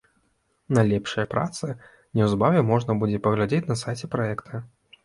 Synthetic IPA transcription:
najlʲɛpʂɐjɐpɾa̰t̪sɨ | nʲɛwzbavʲɛmɔʐnɐbud͡zʲɛpɐɣlʲad͡zʲet͡sʲnɐsajt͡sʲɛpɾaɛkt̪ʰɐ

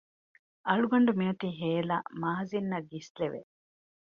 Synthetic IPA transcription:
ʔɐɭuɡɐɳɖumiɐt̪iːɦeːla̰maːzinːɐɡːisleʋḛ

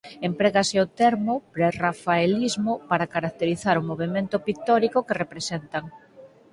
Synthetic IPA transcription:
empɾeɣaseot̪ɛɾmopɾerafaelizmopaɾakaɾak̚t̪eɾiθaɾʊmoβemẽnt̪opikt̪ɔɾikokerepɾesent̪aŋ

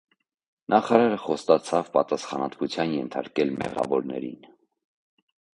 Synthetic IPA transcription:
nɑχɑɾɑɾəχɔst̪ɑt͡sʰɑvpɑt̪ɑsχɑnɑt̪vut͡sʰjɑnjɛnt̪ʰɑɾkɛlmɛ̰ʁɑ̰vɔɾnɛ̰ɾḭn

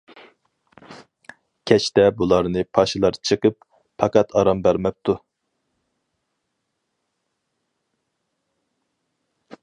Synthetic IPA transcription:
kʲʰɛt͡ʃʰt̪ɛbulˠɑɾnɨpʰɑʃɨlˠɑɾt͡ʃʰɨqəp | pʰɑqɑt̪ʰɑɾɑmbæɾmɛp̚t̪ʰu

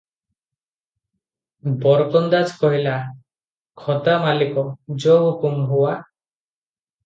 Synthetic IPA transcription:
bɔɾkɔnd̪ad͡ʒkɔɦila | kʰɔt̪amalikɔd͡ʒɔɦukumɦuwa

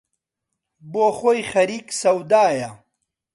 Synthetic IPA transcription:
boxojχɐɾiksɐwd̪aːja

